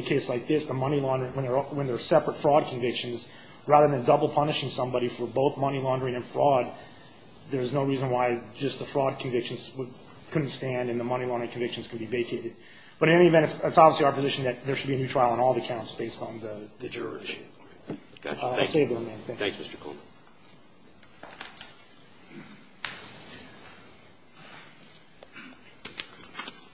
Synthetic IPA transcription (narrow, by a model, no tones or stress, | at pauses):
kʰeɪslaɪk̚ðɪsðəmʌñilɑ̃ndə˞ɪ̃ŋwə̃nðə˞wə̃nðə˞sɛpɹətfɹɔd̚kʰɱvɪkʃɨ̃nz | ɹæðə˞ðɨ̃ndʌbl̩ˠpʰʌnɨʃɪ̃ŋsʌ̃mbɑɾifə˞boʊθmʌñilɑ̃ndə˞ɪ̃ŋɨ̃nfɹɔd̪̚ | ðə˞ɨznoʊɹizə̃nwaɪd͡ʒʌs̚ðəfɹɔd̚kʰn̩vɪkʃn̩z̥w | kʰʊdⁿn̩tstæ̃ndɨ̃nðəmʌñilɑ̃ndɹɨ̃ŋkʰn̩ɱvɪkʃn̩z̥kʰn̩biveɪkʰeɪɾɨd̚ | b̥ʌɾɨɾɛniɨvɛ̃ntɨsɪtsɑbvisliaʊə˞pɨzɪʃn̩ðɨt̪̚ðə˞ʃɨd̚biɨnʉtʰɹ̥aɪlˠə̃nɔlˠðiəkʰãʊ̃ntsb̥eɪstn̩ðəðɨd͡ʒə | seɪvðəə̃mẽnθæ̃θæ̃ksmɪstə̥˞kʰo̰m